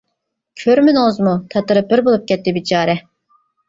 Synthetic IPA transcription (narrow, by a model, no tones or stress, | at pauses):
kʲʰøɾmynozmut̪ʰɑt̪ɨɾɨpɪɾbolˠup̚kʲɛt̪ːɪbit͡ʃʰɑːɾɛ